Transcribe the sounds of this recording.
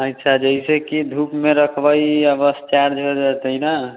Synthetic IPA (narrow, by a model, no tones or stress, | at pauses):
ətːt͡ʃʰad͡ʒəɦisekid̪ʱupmeɾəkʰbəjəbəst͡ʃaɾd͡ʒɦed̪ət̪əɦina